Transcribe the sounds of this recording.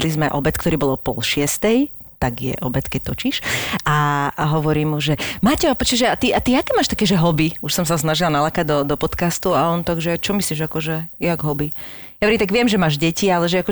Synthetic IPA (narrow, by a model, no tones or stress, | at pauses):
lizmɛʔɔ̰bɛt̪kt̪ɔɾiːbɔlˠɔpɔ̰lʃɪɛst̪ɛjt̪aɡjɛ̰ʔɔbɛt̪kɛc̚t̪ɔt͡ʃiʃaaɦɔʋɔɾiːmuʒɛmaːcɛapɔt͡ʃɛʒɛat̪iʔat̪iakɛːmaːʃt̪akɛːʒɛɦɔbiuʃsɔms̬asnaʒilanalakaɟd̪ɔd̪ɔpɔt̪kast̪uaɔnt̪aɡʒɛajt͡ʃɔmisliʒakɔʒɛjaɡɦɔbijaʋɛɛɾit̪aɡʋɪɛmʒɛmaːʒɟɛcialɛʒɛakɔ